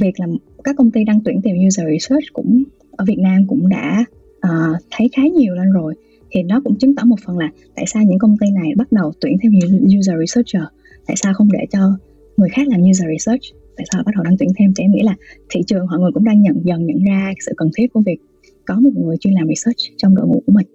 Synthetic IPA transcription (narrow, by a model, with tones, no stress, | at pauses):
vi˨˩ək̚laː˨˩mkaː˦˥kːə˧wŋ͡mt̪i˧ɗa˧ŋt̪wi˧˩ət̪i˨˩mɲu˧zəː˨˩ɹi˧sə˦˥t͡ɕkʊ̰˧˥ŋ͡m | ʔəː˧˩vi˨˩ət̚naː˧mkʊ̰˧˥ŋ͡mɗa̰ː˧˥ | ʔəː˨˩t̪ʰə˨˦jxaː˨˦ɲi˨˩əwlə˧nzo˨˩j | hʰḭ˨˩nɔ˨˦kʊ̰˧˥ŋ͡mt͡ɕi˨˦ŋt̪ɔ˧˥˩mo˨˩t̚fə˨˩nlaː˨˩t̪a̰ː˧˨jsaː˧wɲɨ̰˧˥ŋkə˧wŋ͡mt̪i˧na˨˩jɓa˦˥t̚ɗə˨˩wt̪wi˧˩ənt̪ʰe˧m˧ɲu˧zəː˨˩ɹi˧səː˦˥t͡ɕəː˨˩ | t̪a̰ː˧˨jsaː˧wxə˧wŋ͡mɗe˧˩t͡ɕɔ˧ | ŋɨ˨˩əjxaː˦˥k̚laː˨˩mɲu˧zəː˨˩ɹi˧səː˦˥t͡ɕt̪a̰ː˧˨saː˧˨˩ɓ̚ɗə˨˩wɗa˧ŋt̪wi˧˩ənt̪ʰɛ˧mt̪ʰe˧˦ŋḭ˧˥laː˨˩t̪ʰḭ˧˨t͡ɕɨ˨˩əŋhɦɔ̰˧˨jŋɨ˨˩əkʊ̰˧˥ŋ͡mɗaː˧ŋɲə̰˧˨nzə˨˩nɲɨ̰˧˩nzaː˧˦sɨ̰˧˨kə˨˩nt̪ʰi˦˥t̚ku˧˩əvi˨˩ək̚ | kɔ˨˦mo˨˩t̚ŋɨ˨˩əjt͡ɕwi˧nlaː˨˩mɹi˧˩səː˦˥t͡ɕt͡ɕɔ˧ŋ͡mɗo̰˧˨ŋṵ˧˥ku˧˩əmï˨˩ŋ̟